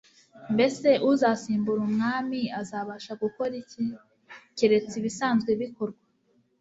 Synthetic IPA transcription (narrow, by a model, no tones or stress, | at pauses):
mbe̞se̞ʔuzasiːmbuɾumŋaːmiazaːβaʃaɡuko̞ɾici | ceɾe̞t͡siβisaːnzɡwe̞βikoɾɡwa